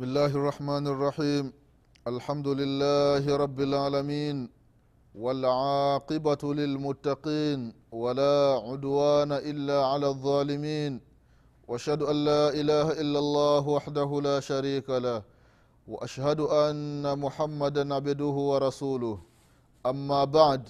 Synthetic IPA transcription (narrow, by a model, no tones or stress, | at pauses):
bɪsmɪlːaːhɪʔɑrˤːɑħmaːnʔɑrˤːɑħiːm | ʔalħamd̪ʊlɪlːaːhɪɾˤɑbːɪlʕaːlamiːn | walʕɑːqɨbalɪlmʊt̪ːɑqiːn | walaːʕʊd̪waːnaʔɪlːaːʕalaːʔðˤːɑːlɪmiːn | waʔaʃhad̪ʊʔanːaːʔɪlaːhaʔɪlːalˤːɑːɦwaħd̪aɦʊlaːʃaɾiːkalah | waʔaʃhad̪ʊʔanːamʊħamːad̪anʕabd̪ʊɦʊwɑɾˤɑsuːlʊh | ʔamːaːbaʕd̪